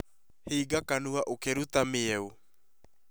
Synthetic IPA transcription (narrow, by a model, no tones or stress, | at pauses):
hiːɡakanuaʔokeɾut̪ameɛu